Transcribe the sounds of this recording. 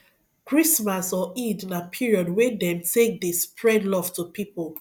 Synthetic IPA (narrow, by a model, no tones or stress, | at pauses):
kɹismasɔidnapʰiɹiɔdwɛdɛ̃mtʰek̚despɹɛdlɔv̥tupipol